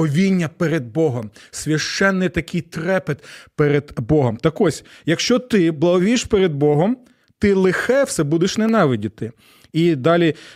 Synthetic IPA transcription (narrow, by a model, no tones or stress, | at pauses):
ɔʋʲinʲːɐpeɾed̪̚bɔɦɔmsʲʋʲɐʃt͡ʃɛnːɪjt̪ɐkɪjt̪ɾɛpet̪peɾed̪bɔɦɔmt̪ɐkɔsʲjɐkʃt͡ʃɔt̪ɪblˠɐɦɔʋʲiʃpeɾed̪̚bɔɦɔm | t̪ɪlˠɪxɛwsɛbud̪eʃnenɑʋɪdʲɪt̪ɪ | id̪ɑlʲi